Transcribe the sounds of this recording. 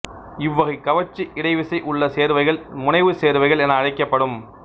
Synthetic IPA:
ɪʋːɐɣɐɪkːɐʋɐt͡ʃːiʔɪɽɐɪʋɪsɐɪʔʊɭːɐseːɾʋɐɪɣɐɭmʊnɐɪʋɯseːɾʋɐɪɣɐɭɛnɐːɻɐɪkːɐpːɐɽɯm

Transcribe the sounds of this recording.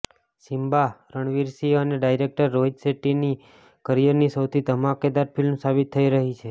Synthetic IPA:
simbaɾəɳ̃ʋiɾsiəneɖajɾek̚ʈəɾːoɦid͡ʒ̪seʈini | kəɾijəɾnisəwt̪ʰit̪əmãked̪aɾpilmsabit̪ʰːəiɾəɦit͡ʃʰe

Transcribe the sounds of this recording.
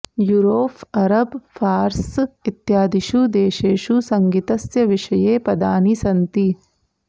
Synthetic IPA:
juɾoːpʰɐɾɐbfʰaːɾsit̪jaːd̪iʃud̪eːʃeːʃusɐŋɡit̪ɐsjɐʋiʂɐjeːpɐd̪aːnisɐnt̪i

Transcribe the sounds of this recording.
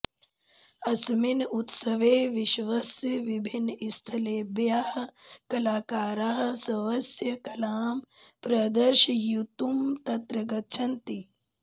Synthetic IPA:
ɐsminut̪sɐʋeːʋiʃʋɐsjɐʋibʱinːist̪ʰɐleːbjaːhɐ̆kɐlaːkaːɾaːɦɐ̆sɐʋɐsjɐkɐlaːmpɾɐd̪ɐɾʃɐjut̪umt̪ɐt̪ɾɐɡɐt͡ʃʰɐnt̪i

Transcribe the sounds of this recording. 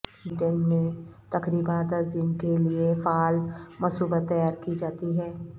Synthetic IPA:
ɖɛnmẽt̪ɐkɾiːbãd̪ɐsd̪ɪnkeliefaːlmɐsuːbət̪ːɐjaːɾkid͡ʒaːt̪iɦɛː

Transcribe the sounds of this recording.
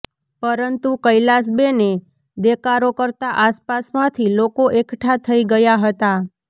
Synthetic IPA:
pəɾənt̪ukəjlas̬bene | d̪ekaɾokəɾt̪aʔaspasmãt̪ʰilokoʔekʈʰat̪ʰəiɡəjaɦət̪a

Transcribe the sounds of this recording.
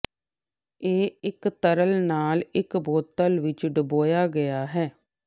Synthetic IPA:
eːɪkt̪əɾəlnaːlɪkboːt̪əlʋɪt͡ʃɖəboːjaːɡəjaːɦɛː

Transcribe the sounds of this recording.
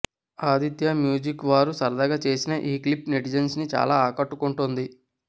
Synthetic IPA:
aːd̪it̪jɐmjuːd͡ʒikʋaːɾusɐɾd̪ɐɡɐt͡ʃe̞ːsinɐʔiːklipniʈid͡ʒɐnsnit͡ʃa̰ːlaːaːkɐʈːukuɳʈund̪i

